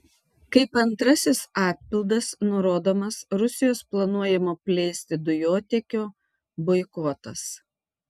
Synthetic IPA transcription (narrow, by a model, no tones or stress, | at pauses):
kɐɪpɐnt̪ɾɐsʲɪsɑːt̪̚ʲpʲɪlˠd̪ɐsnʊɾoːd̪oːmɐsɾʊsʲɪjoːsplˠɐnuɔjɛmoːpʲlʲɛɪsʲt̪ʲɪd̪ʊjoːt̪ʲɛkʲoː | boɪkoːt̪ɐ̰s